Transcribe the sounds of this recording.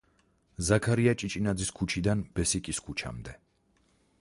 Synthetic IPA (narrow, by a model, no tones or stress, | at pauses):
zakʰaɾiat͡ʃʼit͡ʃʼinad̪ziskʰut͡ʃʰid̪anbɛsikʼiskʰut͡ʃʰa̰md̪ɛ